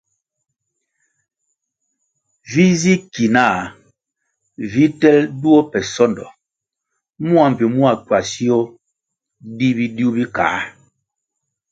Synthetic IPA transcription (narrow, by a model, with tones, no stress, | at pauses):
vi˦zi˦ki˨na˦˨ | vi˦tɛ˦ldu˦o˦pɛ˨sɔ˦ndɔ̰˨ | mu˦a˨m̩˨pi˨mu˦a˨kwa˨si˦o˦ | di˦bi˦di˦u˦bi˦ka̰ː˨˦